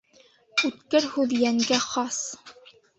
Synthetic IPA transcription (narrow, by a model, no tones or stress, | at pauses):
ʉt̪kɘɾhʉðjæŋɡæχɑs